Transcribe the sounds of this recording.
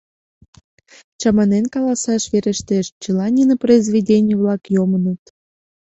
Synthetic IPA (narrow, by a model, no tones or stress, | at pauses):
t͡ɕɑmɑnenkɑlɑsɑʃβeɾeʃt̪eʃt͡ɕəlɑnʲinəprəizβʲedʲenʲijəβlɑkjomənut̪